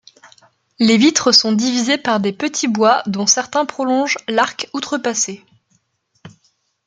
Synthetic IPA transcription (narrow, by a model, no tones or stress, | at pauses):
levit̪χəsɔ̃d̪ivizepaʁd̪epət̪ʰibwad̪ɔ̃sɛʁt̪ɛ̃pχɔlɔ̃ʒlaʁkut̪χəpase